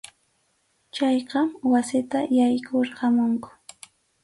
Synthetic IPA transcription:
t͡ʃɑjqɑmwasɪt̪ajajkʰoɾqɑmʊŋkʊ̥

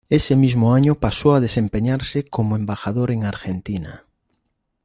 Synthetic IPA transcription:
esemizmʊaɲʊpasoaðesempeɲaɾsɪkomoembaxaðoɾeŋaɾxent̪ina̰

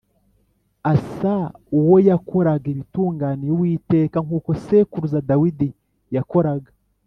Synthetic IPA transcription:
asauwo̞jako̞ɾaɡeβituːŋɡaːnijowiːte̞ːkaŋkuːko̞sekuɾuzadawidi | jako̞ɾaɡa

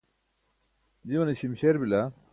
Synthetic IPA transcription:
d͡ʑiwɐniɕimɕeɾbila

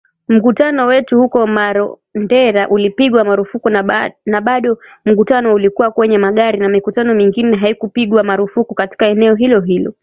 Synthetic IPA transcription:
m̩kutanɔwɛtuhukɔmaɾɔ | ndɛɾaʔulipiɠwamaɾufukunaɓaɗɔ | m̩kutanɔulikuwakwɛɲɛmaɠaɾinamikutanɔmiŋɡinɛɦaikupiɠwamaɾufukukati̥kaɛnɛɔɦilɔɦilɔ

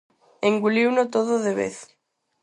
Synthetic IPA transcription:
eŋɡuliwnot̪oðʊðeβḛθ

